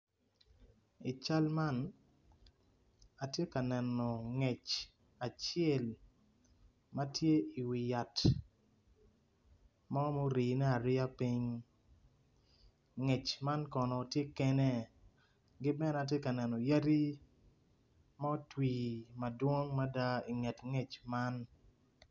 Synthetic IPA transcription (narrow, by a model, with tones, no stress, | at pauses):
i˨t͡ʃa˦lma˦n | a˨tje˦ka˨nɛ˨nɔ˨ŋɛ˨t͡ʃ | a˨t͡ʃɪjɛ˦˨l | ma˦tje˦i˨wi˨ja˨t | mɔ˦mo˦ɾiː˨nɛ˦a˨ɾɪ˦a˦pi˦ɲ | ŋɛ˨t͡ʃma˦nkɔ˨nɔ˨tje˦kɛ˦nɛ˦ | ɡɪ˦bɛ˦na˨t̬je˦ka˨nɛ˨nɔ˨ja˦ɾi˦ | ma˦twiː˨ma˨dwo˦ŋma˦da˦i˨ŋɛ˨tŋe˨t͡ʃma˦n